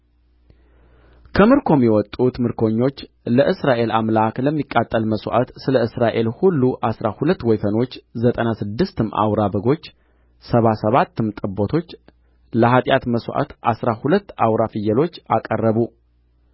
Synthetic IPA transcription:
kʰəmɨɾkʰo̞mjɛwɔt̪ʼut̪mɨɾkʰo̞ɲːo̞t͡ʃː | ləʔɨsɾaʔe̞lamlakləmːikʼːat̪ʼːəlməsʔa̰t̪sɨləɨsɾaʔe̞lhulːuʔasɾahulət̪ːwɔjfəno̞t͡ʃːzət̪ʼənasɨd̪ːɨst̪ɨmːʔa̰wɾabəɡo̞t͡ʃː | səβasəβat̪ːɨmt̪ʼɨbːot̪ʰo̞t͡ʃː | ləɦat̪ʼjat̪məsʔa̰t̪ʔa̰sɾahulət̪ːawɾafɨjːəlo̞t͡ʃːakʼərːəβu

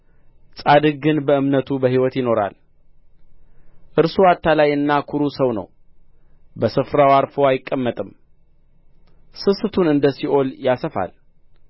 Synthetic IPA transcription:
sʼad̪ɨɡɨnbəɨmnət̪ʰubəɦiwɔt̪jɪno̞ɾa̰l | ʔɨɾsuat̪ʰːalajɨnːakʰuɾusəwnə̰w | bəsɨfɾawaɾfoajɪkʼːəmːət̪ʼɨm | sɨsɨt̪ʰunɨnd̪əsiʔo̞ljasəfa̰l

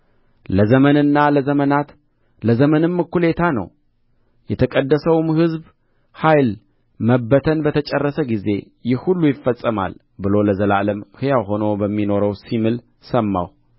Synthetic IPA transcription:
ləzəmənɨnːaləzəmənat̪ | ləzəmənɨmːɨkːule̞t̪ʰanə̰w | jɛt̪ʰəkʼəd̪ːəsəwmhɨzb | hajl | məbːət̪ʰənbət̪ʰət͡ʃʼərːəsəɡize̞̰ | jɪhhulːujɪfːəsʼːəma̰l | bɨlo̞ləzəlaləmhɨjaɦo̞no̞bəmːino̞ɾəwsimɨl | səmːa̰w

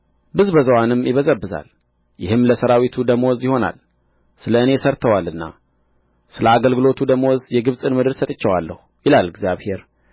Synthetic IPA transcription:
bɨzbəzəwanɨmːjɪβəzəbːɨza̰l | jɪhɨmləsəɾawit̪ʰud̪əmowzjɪho̞na̰l | sɨləɨne̞səɾt̪ʰəwalɨnːa̰ | sɨləaɡəlɡɨlo̞t̪ʰud̪əmowɔzjɛɡɨβsʼɨnmɨd̪ɨɾsət̪ʼɨt͡ʃːɛwalːə̰hujɪlalɨɡzjaβhe̞ɾ

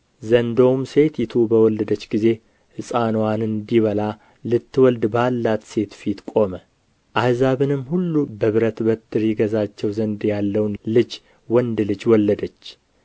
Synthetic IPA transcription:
zənd̪o̞mse̞t̪jɪt̪ʰubəwɔlːəd̪ət͡ʃːɡize̞ | hɨsʼanwanɨnd̪iβəla | lɨt̪ːɨwɔld̪balːat̪se̞t̪fit̪kʼo̞mə | ʔahzaβɨnɨmːhulːubəβɨɾət̪bət̪ʰːɨɾjɪɡəzat͡ʃːɛwzənd̪jalːəwnlɨd͡ʒ | wɔnd̪lɨd͡ʒwɔlːəd̪ət͡ʃː

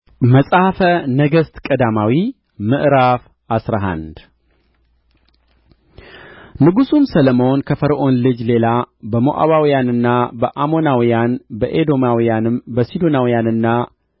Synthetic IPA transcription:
məsʼahfənəɡəst̪kʼəd̪amawi | mɨʔɾaf | ʔasɾaɦa̰nd̪ | nɨɡusumsələmo̞nkʰəfəɾʔo̞nlɨd͡ʒle̞labəmoʔa̰βawijanɨnːabəʔamo̞nawijanbəʔed̪o̞mawijanɨmbəsid̪onawijanɨnːa

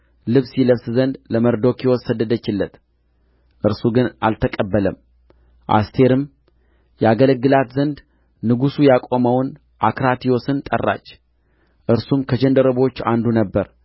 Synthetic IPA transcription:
lɨβsiləβszənd̪ləməɾd̪o̞kiwɔsəd̪əd̪ət͡ʃːɪlːət̪ | ʔɨɾsuɡɨna̰lt̪ʰəkʼəbːələm | ʔa̰st̪ʰe̞ɾɨm | jɛaɡələɡːɨlat̪zənd̪ | nɨɡusujakʼo̞məwn | ʔakɾat̪ijo̞sɨnt̪ʼə̰rːa̰t͡ʃː | ʔɨɾsumkʰəd͡ʒənd̪əɾəβo̞t͡ʃːa̰nd̪unəbːəɾ

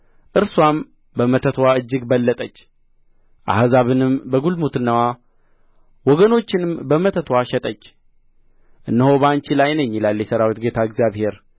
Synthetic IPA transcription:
ʔɨɾswam | bəmət̪ʰət̪ʰwaɨd͡ʒːɪɡbəlːət̪ʼət͡ʃː | ʔa̰hzaβɨnɨmbəɡulmut̪ɨnːəwa | wɔɡəno̞t͡ʃːɪnɨmbəmət̪ʰət̪ʰwaʃɛt̪ʼət͡ʃː | ʔɨnːɨho̞bant͡ʃilajnəɲːilalːjɛsəɾawit̪ɡe̞t̪ʰaɨɡzjaβhe̞ɾ

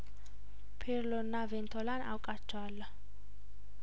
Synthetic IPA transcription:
pʰɛɾlɔnːavɛnt̪ʰɔlanʔa̰wkʼat͡ʃʰːwaːlːa

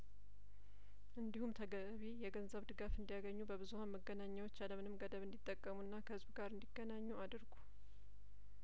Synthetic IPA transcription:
ʔɨnd̪ihumt̪ʰəɡə | βijɛɡənzəβd̪ɨɡafɨnd̪ijaɡəɲːubəβɨzuhanməɡːənaɲːawot͡ʃːaləmɨnɨmɡəd̪əβɨnd̪it̪ʼːəkʼːəmunːakʰəhɨzbuɡaɾɨnd̪iɡːənaɲːuad̪ɨɾɡu̥

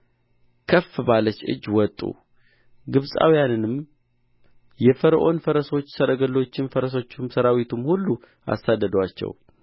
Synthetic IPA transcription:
kʰəfbalət͡ʃɨ̰d͡ʒːwɔt̪ʼːṵ | ɡɨβsʼa̰wijanɨnɨm | jɛfəɾʔo̞nfəɾəso̞t͡ʃːsəɾəɡəlːo̞t͡ʃːɪnfəɾəs̬o̞t͡ʃːumsəɾawit̪ʰumhulːu | ʔa̰sːad̪ːəd̪wat͡ʃːɛ̰w

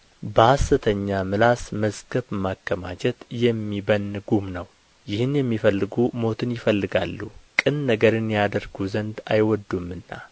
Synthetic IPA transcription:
bəhasːɨt̪ʰəɲːamɨlasməzɡəβmakːəmat͡ʃɛt̪jɛmːibənːɨɡumnəw | jɪhɨnjɛmːifəlːɨɡumo̞t̪ʰɨnjɪfəlːɨɡalːukʼɨnnəɡəɾɨnjad̪əɾɡuzənd̪a̰jwɔd̪ːumːɨnːa̰

